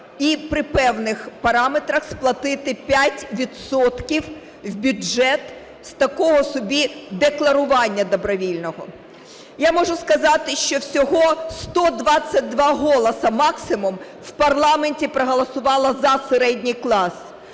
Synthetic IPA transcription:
ipɾɪpɛwnɪxpɐɾɑmet̪ɾɐxsplˠɐt̪ɪt̪ɪpʲjatʲʋʲid̪sɔt̪kʲiw | wbʲʊɛt̪ | st̪ɐkɔɦɔsɔbʲid̪eklˠɐɾʊʋɑnʲːɐd̪ɔbɾɔʋʲilʲnɔɦɔ̰ | jamɔʒʊskɐzɑt̪ɪʃt͡ʃɔwsʲɔɦɔst̪ɔd̪ʋɑt͡sʲːɐt̚ʲd̪ʋɑɦɔlˠɐsɐmɑksɪmʊm | wpɐrlˠɑmenʲtʲipɾɔɦɔlˠɐsʊʋɑlˠɐzɐseɾɛdʲnʲijklˠɑs

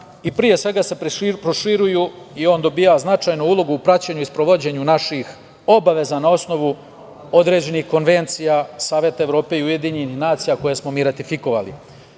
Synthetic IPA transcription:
ipɾije̞sʋe̞ɡase̞ppɾoʃiɾujuio̞ːnd̪o̞biːaznat͡ʃajnuulˠo̞ɡuupɾat͡ɕeɲuispɾo̞ʋod͡ʑe̞ɲunaʃix | o̞baʋe̞zanao̞sno̞ʋu | o̞d̪ɾe̞ːd͡ʑe̞nixko̞nʋe̞nt̪sijasaːʋje̞t̪aeʋɾo̞ːpe̞iuje̞d̪iɲenixnaːt̪sijako̞jesmo̞miːɾat̪ifiko̞ʋalḭ

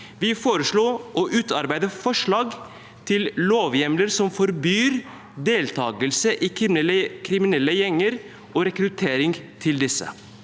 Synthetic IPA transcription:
ʋɪfoːɾəʂɭoːʔɔːʔʉːt̪ʰɑɾbæɪd̪əfɔʂɭɑːɡ | t̪ʰɪlloːʋjɛmləɾsɔmfɔɾbyːɾ | d̪eːlt̪ʰɑːɡəlsəʔiːkʰɾɪmɪnɛlːəjɛŋəɾ | ʔoːɾɛkɾʉt̪ʰeːɾɪŋt̪ʰɪld̪ɪsə̰

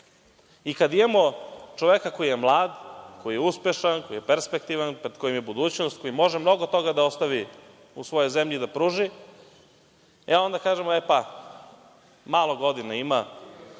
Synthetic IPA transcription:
ikad̪id̪emot͡ʃoʋekako̞jijemlˠaːd̪ko̞jijeuspe̞ʃankojijepeɾspe̞k̚t̪iʋanpɾed̪̥ko̞jimjebud̪uːt͡ɕnost̪̚ko̞jimo̞ʒemno̞ɡot̪o̞ɡad̪ao̞st̪aʋi | usʋo̞jo̞jzemʎid̪apɾuːʒi | eo̞nd̪akaːʒemoepa | maːlo̞ɡo̞d̪inaima

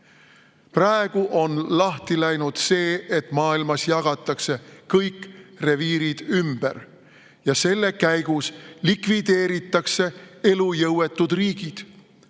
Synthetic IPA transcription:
prɑe̞ɡ̥uʔo̞nlɑht̪ilæjnud̪̥se̞ːet̪ːˑmɑːilmɑsjɑɡ̥ɑt̪ːˑɑkse̞kɤjkːre̞viːɾid̪̥ymb̥ḛr | jɑse̞lːe̞kæjɡ̥uslikvid̪̥e̞ːɾit̪ːˑɑkse̞e̞lujɤwe̞t̪ːˑud̪̥riːɡ̥id̪̥

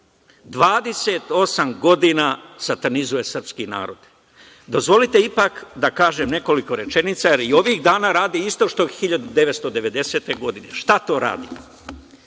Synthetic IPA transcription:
d̪ʋaːd̪e̞se̞t̪o̞samɡo̞d̪inasat̪anizuje̞sr̩pskina̰ːɾo̞̰d̪̥ | d̪o̞zʋo̞lit̪e̞ipakd̪akaːʒe̞mne̞ko̞liko̞ɾe̞t͡ʃe̞nit̪sajeɾio̞ʋiːɣd̪aːnaːɾaːd̪iist̪o̞ʃt̪o̞xiʎad̪ud̪e̞ʋet̪st̪o̞d̪e̞ʋe̞d̪e̞se̞ːt̪e̞ɡo̞d̪ine̞̰ʃt̪at̪o̞ːɾa̰ːd̪ḭ

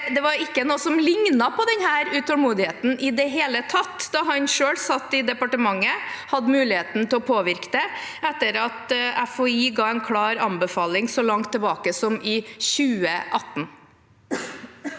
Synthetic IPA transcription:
d̪ɛʋɑɾɪkːənoːsɔmlɪŋnɑpʰɔd̪ɛnɦhæːɾʉt̪ʰɔlmuːd̪ɪheːt̪n̩ʔɪd̪ɛɦeːlət̪ʰɑt̪ːd̪ɑɦɑnʂøːlsɑt̪ːɪd̪ɛpɑʈəmɑŋːəhɑd̪ːəmʉːlɪheːt̪n̩t̪ʰɪlɔpʰoːʋɪɾkd̪ɛɛt̪ːəɾɑt̪æfɔiːɡɑːɛnkʰɽɑːɾɑnbəfɑːlɪŋsɔlɑŋt̪ʰːəɛbɑːkəsɔmʔɪɕʉːəʔɑt̪ːn

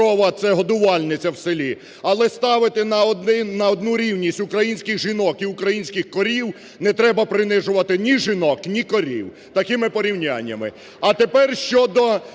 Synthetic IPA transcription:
ɔʋɐt̪sɛɦɔd̪ʊʋɑlʲnɪt͡sʲɐwselʲi | ɐlˠɛst̪ɑʋɪt̪ɪnɐɪnɐɔd̪nuɾʲiwnʲisʲtʲʊkɾɐjinʲsʲkɪɣʒɪnɔkiʊkɾɐjinʲsʲkɪxkɔɾʲiw | nɛt̪ɾɛbɐpɾɪnɪʒʊʋɐt̪ɪnʲiʒɪnɔknʲikɔɾʲḭw | t̪ɐkɪmɪpɔɾʲiwnʲa̰nʲːɐmɪ̰ | ɐt̪epɛrʃt͡ʃɔd̪ɔ

